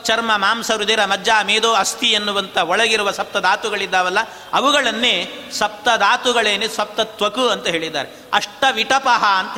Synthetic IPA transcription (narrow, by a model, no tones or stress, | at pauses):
t͡ʃɐɾmɐmaːmsɐɾud̪eːɾɐmɐd̪jaːmeːd̪oːɐst̪ʰiɐnːuʋɐnt̪ɐɔɭɐɡiɾuʋɐsɐp̚t̪ɐd̪aːt̪uɡɐɭid̪ːaːʋɐlːɐ | ɐʋuɡɐɭɐnːeːsɐp̚t̪ɐd̪aːt̪uɡɐɭeːnesʋɐp̚t̪ɐt̪ʋɐkuɐnt̪ɐɦeːɭid̪ːa̰ːɾe | ɐʂʈɐʋiʈɐpɐɦɐɐnt̪ɐ